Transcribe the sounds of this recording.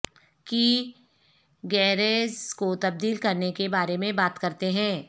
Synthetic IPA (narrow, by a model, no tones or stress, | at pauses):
ki | ɡɛːɾeːzkot̪ɐb̚d̪iːlkɐɾnekebaːɾemẽbaːt̪kɐɾt̪eɦɛ̃ː